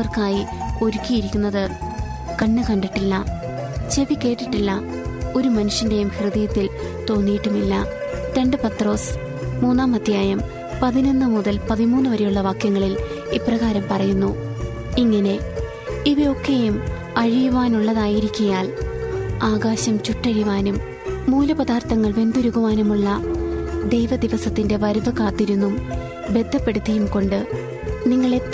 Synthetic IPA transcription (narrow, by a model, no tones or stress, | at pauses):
ɐrkaːjio̞ɾukʲːijiɾikʲːunːɐðɨ | kɐɳːɨkɐɳɖiʈːilːɐ | t͡ɕe̞ʋikʲːe̞ːʈːiʈːilːɐ | o̞ɾumɐnuʂjɐnde̞jumhrɨðijɐt̪ːil | t̪o̞ːnːijiʈːumilːɐ | te̞ɳɖɨpɐt̪ro̞ːs | muːnːaːmɐd̪ʱjaːjɐm | pɐðino̞nːɨmuðɐlpɐðimuːnːuʋɐɾejuɭːɐʋaːkjɐŋːɐɭil | iprɐɣaːɾɐmpɐrɐjunːu | iŋːɐne̞ | iʋio̞kʰːejum | ɐɻijuʋaːnuɭːɐðaːjiɾikʲːujaːl | aːɡaːɕɐmt͡ɕuʈːɐɻiʋaːnumː | uːlɐpɐðaːrt̪ɐŋːɐɭʋe̞nd̪uɾuɣuʋaːnɐmuɭːɐd̪e̞jʋɐd̪iʋɐsɐt̪ːinde̞ʋɐɾʋɐkaːt̪ːiɾunːum | be̞d̪ʱːɐpːe̞ɽut̪ːɐjumko̞ɳɖɨ | niŋːɐɭe